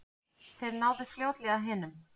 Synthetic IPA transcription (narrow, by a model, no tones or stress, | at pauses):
θejɾnaːwðɪfljoːwt̪lɛɣaðɦɛːnʏm